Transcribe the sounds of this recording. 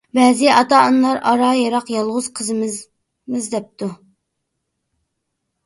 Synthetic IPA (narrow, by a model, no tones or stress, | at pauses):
bɛːzɪɑt̪ɑɑnlˠɑɾɑɾɑjɑɾɑqjɑlˠʁʊz̥qʰəzɨm | mɨzd̪ɛp̚t̪ʰu